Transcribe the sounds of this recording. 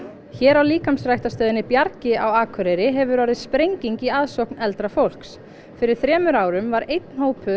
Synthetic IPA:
çɛːɾawliːkamsrajht̪ast̪œːðɪnɪpjaɾcɪawaːkʰʏɾɛɾɪɦɛvʏɾaːɾɪðspɾejɲciŋciaðsowknɛlt̪ɾafowl̥ks | fɪɾɪɾ̥θɾɛːmʏɾaːwɾʏmvaɾejt̪̚nhowpʰœ

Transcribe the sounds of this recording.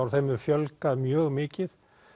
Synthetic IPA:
wɾ̥θejmɛɾ̥fjœlkaðmjœːɣmɪːcɪð

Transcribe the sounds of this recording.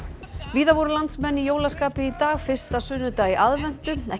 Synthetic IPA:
viːðavɔɾʏlant̪smɛnːijoːwlaskaːpɪit̪aːɣfɪr̥st̪asʏnːʏt̪aiʔaðvɛn̥t̪ʏɛ

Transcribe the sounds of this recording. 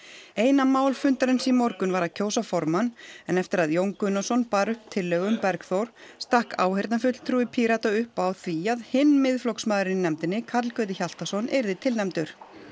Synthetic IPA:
eːjnamaːwlfʏnt̪aɾɪnsimɔɾkʏnvaɾaðcʰoːwsafɔɾmanɛnɛft̪ɪɾaðjowŋkʏnasɔnpaɾʏhp̚t̪ʰɪlːœɣʏmpɛɾkθowɾ̥st̪ahka̰ːwhejɾt̪nafʏt̪l̥t̪ʰɾuːɪpʰiɾat̪aʏhpawθviaðhɪnːmɪðflowksmaːðɾɪnnɛmt̪ɪnːɪkʰat̪lkœːðɪçal̥t̪asɔnʔɛɾðɪt̪ʰɪlnɛmt̪ʏɾ̥

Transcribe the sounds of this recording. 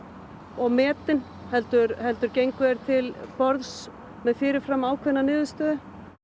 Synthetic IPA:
ɔɣmɛːt̪ɪn | hɛlt̪ʏɾhɛlt̪ʏɾcejŋkvɛːɾ̥t̪ʰɪlpɔɾðs | mɛðfɪːɾɪɾ̥fɾamːaːwkʰvɛnːanɪːðʏst̪œːðʏ

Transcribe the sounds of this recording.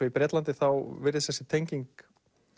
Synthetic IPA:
ɛipɾɛːt̪lant̪ɪθawvɪɾðɪsθɛsːɪt̪ʰejɲciŋk

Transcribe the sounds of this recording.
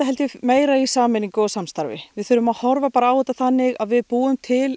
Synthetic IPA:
aɦɛlt̪ɪmeːjɾaisaːmɪniŋkʏɔsamst̪aɾvɪ̰vɪðθʏɾʏmaðhɔɾvapaːɾaːwɛːt̪aθanːɪɣaðvɪðpuːʏmt̪ʰɪl

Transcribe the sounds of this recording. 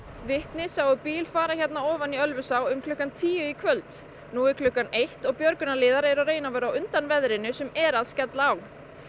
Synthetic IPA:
vɪht̪nɪsawðʏpiːlfaːɾaçɛt̪naɔːvaniœlvʏsawʏmkʰlʏhkːant̪ʰiːjʏikʰvœlt̪ | nuːɪɾkʰlʏhkːanejht̪ɔɣpjœɾkʏnalɪːðaɾeɾareːjnavɛːɾawʏnt̪anvɛðɾɪnʏsɛmɛɾaðscɛt̪laaw

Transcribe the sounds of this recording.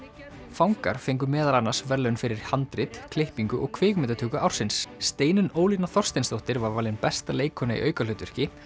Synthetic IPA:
fawŋka̰ɾ̥fejŋk̬ʏmɛːðalanːḁsvɛɾlœnfɪɾɪɾ̥hant̪ɾɪt̪kʰlehpiŋkʏʔɔɣkʰvɪːɣmɛt̪at̪ʰʏːkʏʔawɾ̥sɪnsːt̪eːjnʏnoːwlinaθɔr̥st̪ejnst̪owht̪ɪɾvaɾvaɾlɪnpɛst̪aleːjkʰɔnaḭʔœːɥkalʏːt̪ʏ̥cɪ

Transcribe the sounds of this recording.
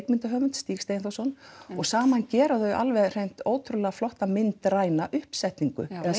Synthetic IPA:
kmɪnt̪aɦœːvʏnt̪st̪iːxst̪ejɪnθowsɔnːɔɣsaːmancɛːɾaθœɥa̰lvɛðr̥ejm̥t̪oːwt̪ʰɾʏlɛːɣaflɔht̪amɪnt̪ɾaːjnaʔʏhpsɛht̪niŋkʏ̰ɛ

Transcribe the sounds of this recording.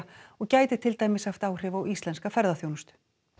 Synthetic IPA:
ɔɣcaːjt̪ɪt̪ʰɪlt̪aːjmɪsaft̪aːwr̥ɪvaːwist̪ɛnskafɛɾðaθjownʏst̪ʏ̥

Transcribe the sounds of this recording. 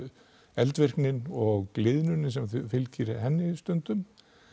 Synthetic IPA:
ɛlt̪vɪr̥knɪnɔɣklɪðnʏnːɪsɛmfɪlciɾɪhɛnːɪst̪ʏnt̪ʏm

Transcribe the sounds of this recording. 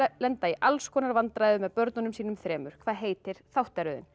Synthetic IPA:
lɛnt̪aiʔalskʰɔːnaɾvant̪ɾajðʏmɛðpœɾt̪nɔnʏmsiːnʏmθɾɛːmʏɾ̥kʰvaːðɦeːjt̪ɪɾ̥θawht̪aɾʏðɪ̰n

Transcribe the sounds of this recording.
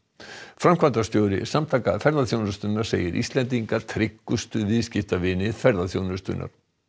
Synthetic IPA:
fɾamkʰvant̪ast̪jowɾɪ̰samt̪ʰaːkafɛɾðaθjownʏɾst̪ʏnːaɾ̥sḛːjɪɾʔḭst̪lɛnt̪̬iŋkat̪ʰɾɪkːʏst̪ʏvɪðscɪft̪avɪːnɪfɛɾðaθjownʏst̪ʏ̰nʔa̰ɾ̥

